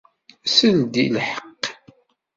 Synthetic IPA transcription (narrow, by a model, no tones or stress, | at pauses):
sənd̪ḭlħə̥qː